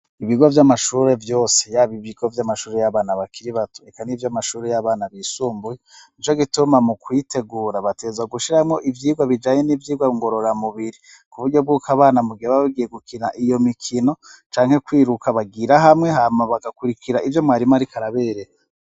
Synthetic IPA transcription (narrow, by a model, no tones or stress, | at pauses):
iβiɡavjamaʃuɾe̞vjo̞ːsejaβiβiɡovjamaʃuːɾe̞jaβaːnaβakʰiɾiβatoekanivjamaʃuːɾejaβaːnaβiːsuːmbujeint͡ʃoɡitumamukwite̞ɡuːɾaβateːzaɡuʃiɾamŋo̞ʔivjiːɡwaβid͡ʒaːɲe̞nivjiːɡwaiŋɡo̞ɾo̞ɾamuβiɾi | kuβuɾɟo̞b̚ɡukaβaːnamuɡiɾaβaβaβiɡije̞ɡukinaʔijo̞mikʰino̞t͡ʃaːŋhe̞kwiːɾukaβaɡiɾaɦamŋe̞ɦamaβaɡakuɾikʰiɾaʔivjo̞mŋaːɾimaɾikʰaɾaβeːɾeja